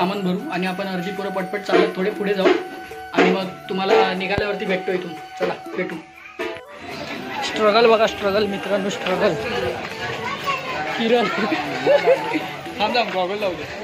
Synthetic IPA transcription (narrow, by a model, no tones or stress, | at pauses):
amənbʱəɾuːaɽ̃iapəɳəɾd͡ʑ̪iːpuɾəpəɽpəʈ̚t͡salət̪ʰoɽepuɽed͡zauaɽ̃iməɡt̪um̤alanikʰaljaʋəɾt̪iːbʱeʈʈoɦjt̪umt͡səlabʱeʈuː | sʈɾəɡəlbəɡasʈɾəɡəlmit̪ɾanũːsʈɾəɡəl | kiɾəl | hãnd͡zamɡɔɡəɭlaud̪e